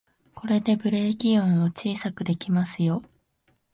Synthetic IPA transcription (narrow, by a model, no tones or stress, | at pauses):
ko̞ɾe̞d̪e̞bɯ̟ɾe̞kʲiõɰ̃o̞t͡ɕiːsakɯ̟d̪e̞kʲimasɨjo̞